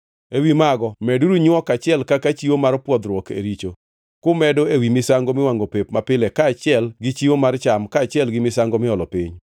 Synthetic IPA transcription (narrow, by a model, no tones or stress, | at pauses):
ewimaɡɔmɛduɾuɲɔkat͡ʃɪɛlkakat͡ʃiwomarpwɔd̪ɾwɔkʰḛɾit͡ʃo | kʊmɛdoewimɪsaŋɡomɪwaŋɡopepmapɪlɛkaːt͡ʃɪɛlɡɪt͡ʃiwomart͡ʃamkaːt͡ʃɪɛlɡɪmɪsaŋɡomɪɔlɔpḭɲ